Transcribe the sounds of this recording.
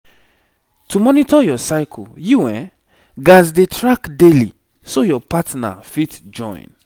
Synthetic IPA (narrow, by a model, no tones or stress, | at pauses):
tʰumɔnitɔjɔsaɪkʰljuwɛ̰̃ | ɡazdetʰɹakdelḭ | sojɔpatna̰fitd͡ʒɔ̰̃ɪ̃n